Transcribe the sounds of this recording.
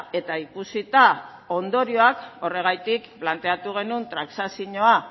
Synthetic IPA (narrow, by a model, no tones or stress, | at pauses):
e̞t̪aikusit̪a | o̞nd̪o̞ɾio̞ako̞re̞ɣ̞ajt̪ikplant̪e̞at̪uɣe̞nunt̪ɾaksasiɲo̞a